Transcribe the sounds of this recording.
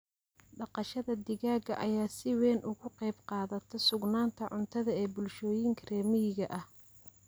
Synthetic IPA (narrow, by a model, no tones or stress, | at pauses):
ɖɑqɑʃɐðɐd̪ɪɣaːɣɐ̰ʔɐjaːsɪwɛːnʔʊɣʊqɛjbqɑːðɐt̪ʰɛsʊɡnaːnt̪ʰɐʕʊnt̪ʰɐðɐɛːbʊlʃɔːjɪŋkʰɐrɛːmɪjɪɣɐʔɐh